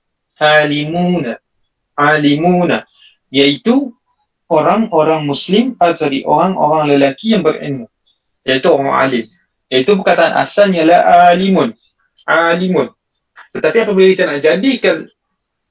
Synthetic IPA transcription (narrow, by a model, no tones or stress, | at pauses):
alimuna | alimuna | jaʔit̪u | ʔoɾaŋoɾaŋmuslɪmadt̪aɾiʔo̰ɾaŋʔo̰ɾaŋləlakijaŋbərə̰nmu | jait̪uoɾa̰ŋa̰lɪm | jait̪ubərkat̪aːnʔa̰salnialahalimʊn | alimʊn | t̪ət̪apiapabəit̪anaʔd͡ʒadikan